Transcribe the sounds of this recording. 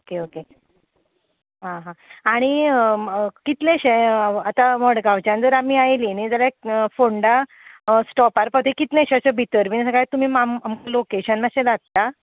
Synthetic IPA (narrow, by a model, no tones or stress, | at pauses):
okeoke | ɦãɦãaɽ̃i | kit̪lẽɕeat̪amɔɽɡaʋt͡ɕjãnd͡zəɾamiːajlinid͡zaljafoɳɖa | sʈɔpaɾpəd̪ʰʱikit̪lẽɕɕəbʱit̪əɾminsəɡajt̪um̤iːmamamkalokeɕənmaɕẽd̪at̪t̪a